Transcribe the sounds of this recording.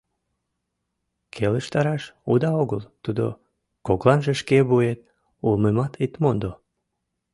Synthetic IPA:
kʰeləʃt̪ɑɾɑʃud̪ɑoɣəlt̪ud̪o̰ | koklɑnʒeʃkeβuet̪̚ | ulmemɑt̪it̪mond̪o

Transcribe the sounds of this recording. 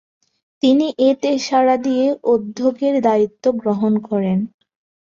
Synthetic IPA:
t̪iniʔet̪eʃaɾad̪ijeʔod̪ʱːoɡeɾd̪ait̪ːoɡɾoɦonkɔɾen

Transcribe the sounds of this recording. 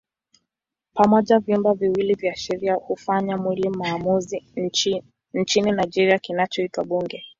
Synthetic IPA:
pamɔʄavjumbaviwilivjaːʃɛɾiahufaɲamwilimaːmuzi | n̩t͡ʃininajd͡ʒɛɾiakinat͡ʃɔitwaɓuŋɡɛ

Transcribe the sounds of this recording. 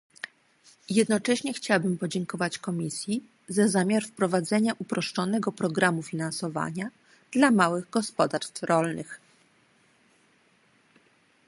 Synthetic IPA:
jɛd̪nɔt͡ʂɛɕɲɛxt͡ɕawabɘmpɔd͡ʑɛŋkɔvat͡ɕkɔmʲisʲji | zazamʲjaɾfpɾɔvad̪zɛɲaʔupɾɔʂt͡ʂɔnɛɡɔpɾɔɡɾamufʲinansɔva̰ɲa | d̪̥lamawɘɣɡɔspɔd̪aɾst̪fɾɔlnɘx

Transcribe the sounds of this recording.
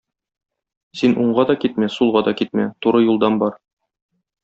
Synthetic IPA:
sinuɴɢɑd̪ɒkit̪mæsulˠʁɑd̪ɒkit̪̚mæt̪uɾɤjulˠd̪ɑnbɒɾ

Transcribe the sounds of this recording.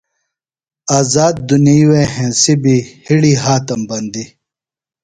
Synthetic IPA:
aːzaːd̪̚ːunijwehẽːsibihiɽiːɦaːt̪ɐmbɐnd̪i

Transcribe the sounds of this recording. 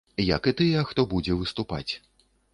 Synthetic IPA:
jɐ̰kɨt̪ɨjɛxt̪ɔbud͡zʲɛvɨst̪upa̰t͡sʲ

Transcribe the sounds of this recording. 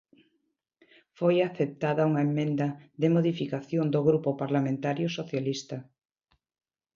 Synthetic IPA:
fojaθep̚t̪aðɐuŋɐemːẽnd̪ɐðemoð̞ifikaθjond̪oɣɾupʊpaɾlamẽnt̪aɾjʊsoθjalist̪ɐ

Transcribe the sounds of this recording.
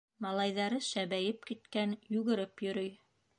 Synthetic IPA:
mɑlˠɑjðɑɾɤʃæβæjɘp̚kit̪kænjʉɣɘ̆ɾɘpjɵ̆ɾɵj

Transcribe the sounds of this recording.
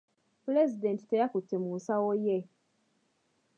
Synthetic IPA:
puɾezidenti̥tejakutːemusawoje

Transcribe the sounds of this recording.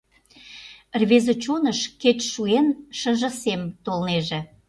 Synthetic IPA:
rβezot͡ɕonəʃket͡ɕʃuenʃə̆ʒə̆semt̪olneʒĕ

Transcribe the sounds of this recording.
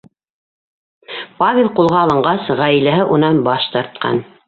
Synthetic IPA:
pavʲelˠqulˠʁɑːlˠɤ̆ɴɢɑsʁæjlæɦɘʔunɑnbɑʃt̪ɑɾt̪̚qɑ̰n

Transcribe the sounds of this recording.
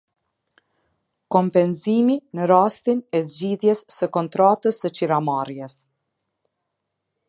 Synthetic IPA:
kɔmpɛnziminəɾast̪inɛzd͡ʑiðjɛsːəkɔnt̪ɾat̪əsət͡ʃiɾamaɾjɛs

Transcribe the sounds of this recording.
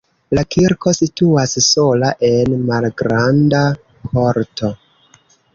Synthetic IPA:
lakʰiɾko̞situasso̞laʔe̞nmalɡɾanda | kʰo̞ɾtʰo̞

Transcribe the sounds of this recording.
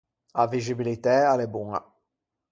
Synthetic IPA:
avizibilit̪ɛalebuŋa̰

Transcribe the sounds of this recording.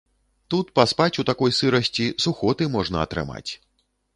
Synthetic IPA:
t̪ut̪paspat͡sʲut̪akɔjsɨɾɐsʲt͡sʲisuxɔt̪ɨmɔʐnɐɐt̪ɾɨ̰ma̰t͡sʲ

